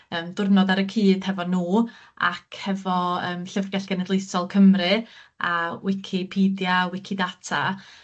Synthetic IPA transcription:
əːmdʊrnɔdaɾəkʰiːd̥hɛvɔnuː | a̰kʰhɛvɔəːmɬəvɡɛɬɡ̥ɛnɛdlˠejsɔlˠkʰəmrɨawɪkʰɪpʰiːdjawɪkʰidatʰa

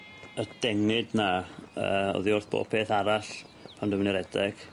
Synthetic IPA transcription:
əd̥ɛŋɨdnaə̰ɔ̰ðiʊrθb̥o̰ːpʰeːθaɾaɬ | pʰandəmniɾɛdɛɡ̥

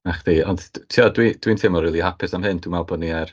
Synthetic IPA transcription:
aχðiːɔndtʰiɔdwid̥wintʰemɔriːlˠihapʰɪsamɦɨnd̥umalˠbɔdniɛr

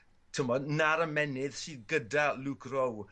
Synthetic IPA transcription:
tʰəmɔdnaɾəmɛnɪð̥siːðɡədaluɡʰrow

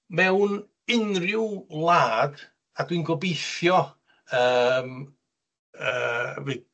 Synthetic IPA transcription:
mɛwn | ɪnrɪwlˠaːd | adwinɡɔbejθjɔ | əm | əvi

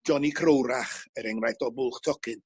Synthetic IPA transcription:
d͡ʒɔnikʰrowɾaχəɾɛŋrajθd̥ɔbʊlˠχtʰɔkʰɨn

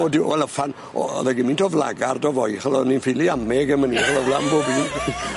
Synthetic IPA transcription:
ɔdɪwɛləfan | ɔ̰ɔ̰ðɛɡimɪntʰɔvlˠa̰ɡardɔvɔjχəlˠɔninfɪlˠiamɛɡəməniχələvlambobiːn

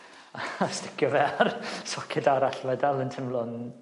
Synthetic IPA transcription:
aastɪkʰjɔvɛrsɔkʰɛdaɾaɬvɛdalˠəntʰɪmlˠɔn

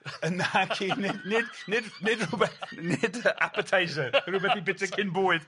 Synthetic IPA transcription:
ənakʰinɪdnɪdnɪdnɪdruːbɛθnɪdəa̰pʰətʰajzərʊːbɛθibɪtʰəkʰɪnboːɨd̥

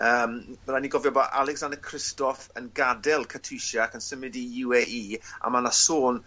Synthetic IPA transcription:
əːmvɛlaniɡɔvjɔbaʔalˠɛksandəkʰr̥ɪstɔfə̰nɡadɛlˠkʰətʰujʃakʰənsəmɪdijuwɛʔiːa̰manasoːn

